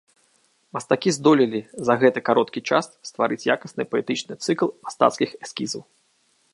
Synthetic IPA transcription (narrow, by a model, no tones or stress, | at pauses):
mɐst̪akʲizd̪ɔlʲilʲizɐɣɛt̪ɨkaɾɔt̪kʲit͡ʂa̰sst̪vaɾɨt͡sʲjakɐsnɨpɐɛt̪ɨt͡ʂnɨt̪sɨklˠmast̪a̰t̪skʲixɛskʲizɐw